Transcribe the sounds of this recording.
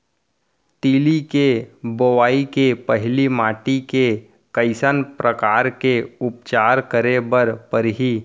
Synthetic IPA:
t̪iːlikebowaːikepəɦɪlimaːʈike | kəɪsənpɾʔəkaːɾkeʊpt͡ʃaːɾkəɾebəɾpəɾɦiː

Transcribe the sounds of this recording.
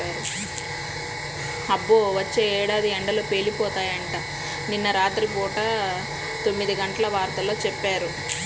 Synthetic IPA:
aːɾu | ɐbːoːʋɐt͡ʃːeːɛːɽaːd̪iɛɳɖɐlo̞ːpeːlipɔːt̪aːjɐɳʈaː | ninːɐɾaːd̪ɐɾikoːʈɐ | t̪o̞mːid̪iɡɐɳʈɐlɐʋaːɾt̪ɐlo̞ːt͡ʃɛpːaːɾu

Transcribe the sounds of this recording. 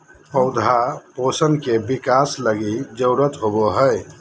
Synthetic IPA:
pəʊd̪ʱaposənkebikasləɡid͡ʒəʊɾət̪ɦoboɦəj

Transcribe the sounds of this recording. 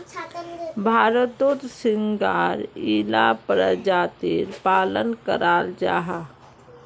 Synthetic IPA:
bʱaːɾət̪ot̪sɪŋɡaːɾila̰pɾəd͡ʒaːt̪ɪɾpaːlənkəɾaːld͡ʒa̰ːɦa

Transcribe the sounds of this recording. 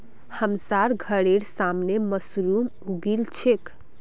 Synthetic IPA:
həmsaɾɡʱəɽeɽsamneməsɾum | uɡilt͡ʃʰek

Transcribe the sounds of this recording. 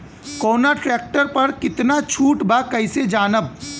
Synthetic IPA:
koːnaʈɾeːk̚ʈəɾpɐɾkɪt̪nat͡ʃʰuːʈbakɐɪsed͡ʒaːnəb̚

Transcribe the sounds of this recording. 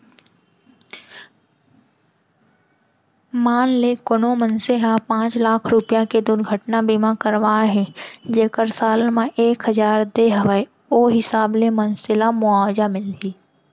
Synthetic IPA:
maːnlekonomənseɦapãːt͡ʃlaːkʰɾʊpijãked̪ʊɾɡʱəʈnabimãkəɾʋaːɦɛd͡ʒeːkəɾsaːlmãʔeːkɦəd͡ʒaːɾd̪eːɦəʋə | oːɦɪsaːblemənsɪlamʊaːd͡ʒamɪlt̪iː

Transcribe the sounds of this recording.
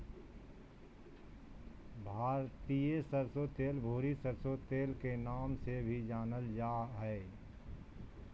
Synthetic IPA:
bʱaːɾt̪ijesəɾsot̪eːlbʱoːɾisəɾsot̪eːlkenaːmsebʱid͡ʒaːnəld͡ʒaːɦɛː

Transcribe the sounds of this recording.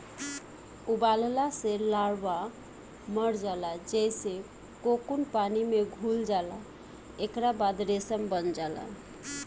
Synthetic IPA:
uballaselaɽba | məɾd͡ʒalad͡ʒejse | kokunpanimeɡʱuld͡ʒala | ekɾabad̪ɾesəmbənd͡ʒala̰

